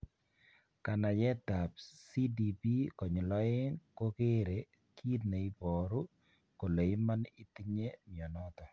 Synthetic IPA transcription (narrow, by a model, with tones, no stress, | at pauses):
ka˨na˨jɛ˦ta˨p̚si˦di˨pi˦kɔ˨ɲɔ˨lɔ˦e˦ŋko˦ke˦ɾe˨ | kʰi˦tne˨i˦pɔ˨ɾu˦ | ko˨le˨i˦ma˦nɪ˦ti˦ɲe˦mjɔ˨nɔ˦ta˨